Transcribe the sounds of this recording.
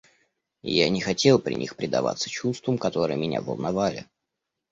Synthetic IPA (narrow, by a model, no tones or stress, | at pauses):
janʲɪxɐtʲe̞lˠpɾʲɪ̰nʲixpɾʲɪd̪ɐva̰t̪sə̥t͡ɕust̪vəmkɐt̪o̞ɾɨjəmʲɪnʲa̰və̰lˠnɐvalʲɪ̰